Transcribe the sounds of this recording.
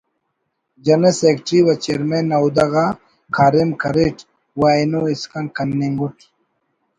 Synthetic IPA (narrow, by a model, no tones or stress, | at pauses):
d͡ʒɐnesekʈɾiwɐt͡ɕeɾmenːɐud̪ɐɣa | kʰaːɾimkʰɐɾeʈ | waenoiskɐnkɐnːiŋɡuʈ